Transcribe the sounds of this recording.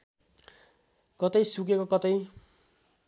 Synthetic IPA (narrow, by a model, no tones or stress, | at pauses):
kʌt̪ʌjsukekokʌt̪ʌj